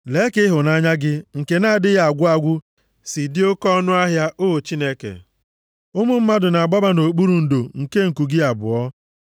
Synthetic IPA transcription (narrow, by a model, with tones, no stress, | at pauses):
le˨˦kɪ˦ɦʊ˨na˦ɲa˦ɡɪ˦ŋ̩˨ke˨na˦˨dɪ˦ja˨a˨ɡʷʊ˦a˦ɡʷʊ˦ | si˨dɪ˦o˦kɔ˦nʊ˦a˦ɦja˦ʔo˦˨t͡ʃi˦ne˦kḛ˨ | ʊ˦mʊ˦m̩˦ma˦dʊ˨na˨ɡ͡ba˦ba˦no˨k͡pu˦ɾu˨n̩˨do˨ŋ̩˨ke˦ŋ̩˨ku˨ɡɪ˦a˨bʊ̰˨ɔ˦